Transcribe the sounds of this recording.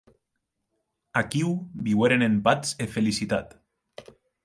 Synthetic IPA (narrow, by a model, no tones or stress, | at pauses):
akiwbiweɾenempat͡sefelisit̪at̪